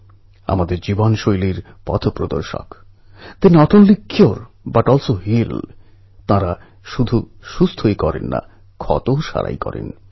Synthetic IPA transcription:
a̰mad̪eɾd͡ʑibonʃojliɾ | pɔ̰t̪ʰopɾod̪oɾʃo̰k | t̪einɔʈonlikːioɾ | baʈɔlsoɦil | t̪ãɾa | ʃud̪ʱu | ʃust̪ʰojkɔɾḛnːa̰ | kʰɔ̰t̪oʃa̰ɾa̰jkɔɾḛn

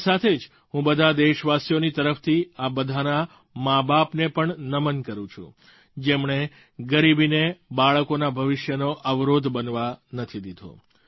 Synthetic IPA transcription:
sat̪ʰed͡ʒ | ɦũbəd̪ʱad̪eʃʋasjonit̪əɾəft̪ʰiabəd̪ʱana | mabapnepəɳnəmənkəɾũt͡ʃʰṵ̃ | d͡ʒemɳ̃e | ɡəɾibinebaɭəkonabʱəʋɪʃjənoʔəʋɾod̪ʱbənʋanət̪ʰid̪id̪ʱo̰

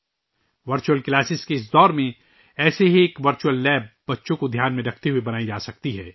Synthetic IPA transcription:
ʋɐɾt͡ʃuəlklaːsɪskeɪs̬d̪ɔːɾmẽ | ɛːseɦieːkʋɐɾt͡ʃuəlːɛːbbɐtːʃõkod̪ʱjaːnmẽɾɐkʰt̪eɦuibɐnaːid͡ʒaːsɐk̚t̪iɦɛː

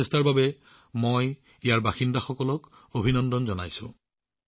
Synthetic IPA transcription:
ɛstaɹbabɛ | moj | ijaɹbaxindaxɔkɔlɔk | obʱinɔndɔnzɔna̰jsʊ̰̃

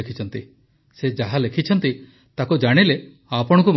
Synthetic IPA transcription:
kʰit͡ʃʰɔnt̪i | sed͡ʒaɦalekʰit͡ʃʰɔnt̪i | t̪akud͡ʒaɽ̃ile | apɔɽɔ̃kum

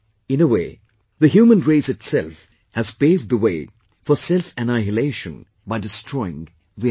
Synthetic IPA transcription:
ɪ̃nəweː | ðəɦjuːmə̃nɹeɪsɨtsɛlˠf | hæzpeɪvd̪̚ðəweɪ | fəsɛlfɨnaɪəleɪʃə̰̃n | baɪdɨstʰɹɔɪɪ̰̃ŋ | ði

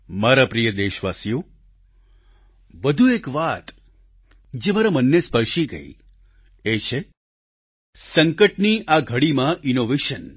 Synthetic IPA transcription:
maɾapɾijəd̪eʃʋasijo | ʋəd̪ʱuekʋat̪ | d͡ʒemaɾamənːespəɾʃiɡə̰ḭ | et͡ʃʰe | səŋkəʈniʔaɡʱəɽimãʔinoʋeʃən

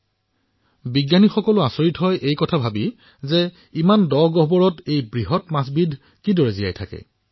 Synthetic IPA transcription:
biɡjanixɔkɔlʊasoɹitɦɔjʔejkɔtʰabʱabi | zɛ | imandɔɡɔɦbɔɹɔtejbɹiɦɔtmasbidʱ | kidɔɹezija̰jtʰakɛ̰

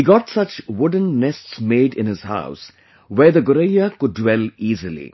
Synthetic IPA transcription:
hiɡɔtsʌt͡ʃwʊɖⁿə̃n̩ːɛstsmeːdɪ̰̃nhɪz̥ha̰ʊs | wɛːd̪əɡʊɾejakʊɖ̚ːwɛliːzəlḭ

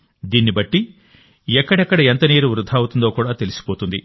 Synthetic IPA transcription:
d̪iːnːibɐʈːi | ɛkːɐɽɐkːɐɽɐent̪ɐniːɾuʋɾud̪ʱaːwut̪und̪oːkuːɽaːt̪e̞lisi̥poːt̪und̪i

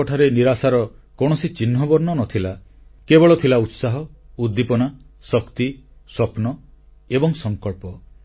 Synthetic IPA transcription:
ɔʈʰaɾeniɾasaɾɔ | kɔɽ̃ɔsit͡ʃinɦɔbɔɾnɔnɔt̪ʰila | kebɔɭɔt̪ʰilaut̪saɦɔud̪ːipɔnasɔkt̪isɔpnɔ | ebɔŋsɔŋkɔɭpɔ

